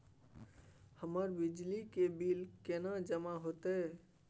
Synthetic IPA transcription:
həməɾbid͡ʒlikebilkenad͡ʒəmaɦot̪e

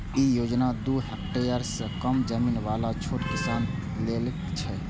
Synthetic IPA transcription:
ijoːd͡ʒnad̪uɦɛk̚ʈejəɾskəmd͡ʒəmiːnʋalat͡ʃʰoʈkisaːn | lelkt͡ʃʰɛ

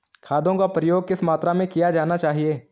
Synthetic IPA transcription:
kʰaːd̪ʱõkapɾəjoːɡ̚kɪsmaːt̪ɾamẽkijad͡ʒaːnat͡ʃaːɦieː

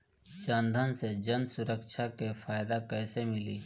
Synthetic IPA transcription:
t͡ʃaːnd̪ʱənsed͡ʒənsʊɾəkʃʰakefʰaːd̪akɛːsemɪliː

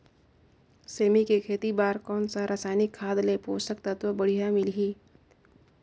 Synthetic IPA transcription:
seːmikekʰeːt̪ibaːɾkɔːnsaɾasaːjnɪkʰːaːd̪lepoːsək̚t̪ət̪ʋəbəɽ̤ijamɪlɦiː

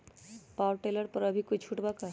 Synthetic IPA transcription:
paːwɾʈeləɾpəɾəbʱikʊt͡ʃʰuʈbaka

